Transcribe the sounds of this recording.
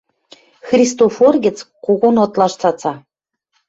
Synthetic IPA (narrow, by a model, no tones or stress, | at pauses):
xrʲist̪oforɡʲɘ̆t͡squɣonɤ̆t̪lˠɑʃt͡sɑt͡sɑ